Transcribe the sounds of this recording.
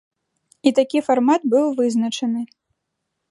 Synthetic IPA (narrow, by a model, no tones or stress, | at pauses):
it̪akʲifarmat̪̚bɨwvɨznɐt͡ʂɐnɨ